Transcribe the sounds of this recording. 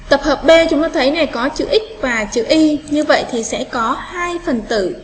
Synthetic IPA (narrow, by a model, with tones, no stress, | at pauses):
t̪ə˨˩p̚həː˨˩p̚ɓe˧t͡ɕʊ˨˦ŋ͡mt̪o˧jt̪ʰə˨˦jna˨˩jkɔ˨˦t͡ɕɨ̰˧˩ʔï˦˥k̟̚vaː˨˩t͡ɕɨ̰˧˨ʔi˧ɲɨ˧və̰˧˨jt̪ʰi˨˩sɛ̰˧˥kɔ˨˦haː˧jfə˨˩nt̪ɨ̰˧˨